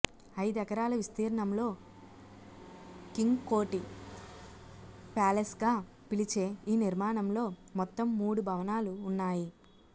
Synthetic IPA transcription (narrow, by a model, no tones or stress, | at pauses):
ɐjd̪ɛkɐɾaːlɐʋist̪iːɾɐɳɐmlo̞ː | kiŋɡko̞ːʈi | paːlesɡaː | pilit͡ʃe̞ːiːniɾmaːɳɐmlo̞ːmɔt̪ːɐmːuːɽubʱɐʋɐnaːluːnːaːji